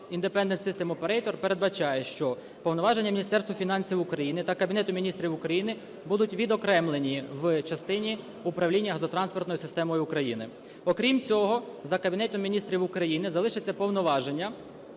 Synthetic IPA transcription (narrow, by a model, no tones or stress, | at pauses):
ind̪epɛnd̪ent̪sɪst̪ɛmɔpeɾɛjt̪ɔrpe̞ɾed̪bɐt͡ʃɑjɛʃt͡ʃɔ | pɔwnɔʋɑʒenʲːɐmʲinʲist̪ɛrst̪ʋɔfʲinɑnʲsʲiwʊkɾɐjinɪt̪ɐkɐbʲinɛt̪ʊmʲinʲist̪ɾʲiwʊkɾɐjinɪ | bud̪ʊtʲʋʲid̪ɔkɾɛmlˠenʲiʋt͡ʃɐst̪ɪnʲi | ʊpɾɐʋlʲinʲːɐɦɐzɔt̪ɾɑnspɔrt̪nɔjisɪst̪ɛmɔjʊʊkɾɐjinɪ | ɔkɾʲimt͡sʲɔɦɔzɐkɐbʲinɛt̪ɔmːʲinʲist̪ɾʲiwʊkɾɐjinɪzɐlˠɪʃet͡sʲːɐpɔwnɔʋɑʒenʲːɐ